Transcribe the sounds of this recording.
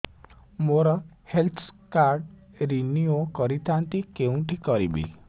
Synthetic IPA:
moɾɔhelt̪ʰkaɾɖ | ɾiniokɔɾit̪ʰant̪ikeũʈikɔɾḭbḭ

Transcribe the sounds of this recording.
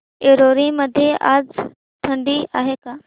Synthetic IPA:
eɾoɾĩməd̪ʱjeʔa̰ːd͡z | t̪ʰə̃ɳɖia̰ːɦekaː

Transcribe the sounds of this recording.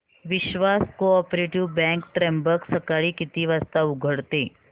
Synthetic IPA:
ʋɪʃʋaskoɔpɾeʈiʋbɛ̃ŋkʈɾɛ̃mbəksəkaɭikit̪iʋast̪aʊɡʱəɽt̪e

